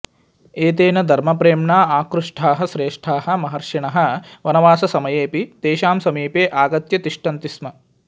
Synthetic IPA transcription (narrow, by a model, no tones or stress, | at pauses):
eːt̪eːnɐd̪ʱɐɾmɐpɾeːmɳaːaːkɾuʂʈʰaːɦɐʃɾeːʂʈʰaːɦɐ̆mɐɦɐɾʂiɳɐɦɐ̆ʋɐnɐʋaːsɐsɐmɐjeːpid̪̥eːʃaːmsɐmiːpeːʔaːɡɐt̪jɐt̪iʂʈɐnt̪ismɐ